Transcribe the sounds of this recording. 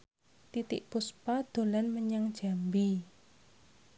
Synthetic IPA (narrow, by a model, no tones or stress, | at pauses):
t̪it̪ɪ̰ʔpuspad̪̥o̤lanməɲaŋd̥ʒ̥a̤mbi